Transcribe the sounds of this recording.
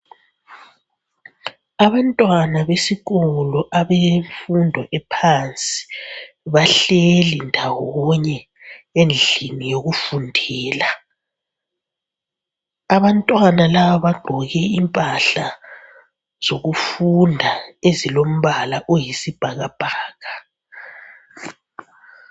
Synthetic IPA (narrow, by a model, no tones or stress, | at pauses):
aβantʼwanaβesiɣɔlɔʔaβeɱfundʱɔʔɛpʰant͡sʼi̥ | βaɬelindʱawɔɲɛ | end͡ɮʱinijoɣufundʱɛːla | aβantʼwanalaβaβaɡ͡ǃʱɔɣɛimpʼaɬa | z̥oɣufundʱaezilom̩βalaʔojisib̥ʱaɣab̥ʱaːɣa